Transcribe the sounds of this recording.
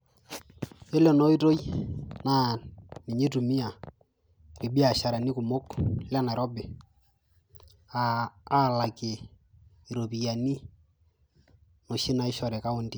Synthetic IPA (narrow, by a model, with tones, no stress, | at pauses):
e˦lɛ˨nɔ˦i˦to˦jna˨ni˨ɲe˦tu˨mi˦a˨ | ke˨bi˦a˨ʃa˨ɾa˨ni˦ku˨mo˦kla˦na˨ɾɔ˦be˨ | aː˨˦˨la˨ke˨ | i˨ɾo˨pi˨ja˨ni˦ | no˨ʃi˦na˨ɪ˦ʃɔ˨ɾɛ˨ka˦o˦ndi˦